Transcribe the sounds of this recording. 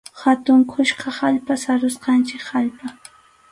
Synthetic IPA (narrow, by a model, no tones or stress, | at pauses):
hat̪ʊŋkʰʊʃqɑhaʎpasaɾʊsqɑnt͡ʃɪkhaʎpa